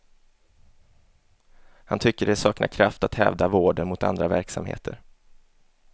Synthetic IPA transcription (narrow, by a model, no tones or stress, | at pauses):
hant̪ʰʏkːəɖɛsɑːknʔa̰kʰɾaft̪at̪hɛ̰ːvd̪avoːɖənmʊt̪a̰nd̪ɾavæɾksamhḛːt̪ʰəɾ